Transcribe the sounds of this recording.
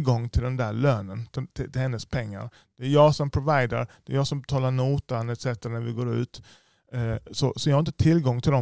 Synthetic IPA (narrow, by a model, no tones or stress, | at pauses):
ɡɔŋːt̪ʰɪld̪ɛnd̪æɾɭøːnənt̪ɪt̪ʰɪt̪ɪhɛnːəspʰɛŋːa̰ɾ | d̪̥ɛæɾjɑːsɔmpʰɾʊvajd̪ə̰ɾd̥̪ɛæɾjɑːsɔmbɛt̪ʰɑːlaɳuːt̪anɛt̪sɛt̪ːəɾanæɾvɪɡoːɾʉ̟̰ːt̪ | sɔsɔjɑhaɾɪnt̪ət̪ʰɪlɡɔŋːt̪ʰɪld̪ɔ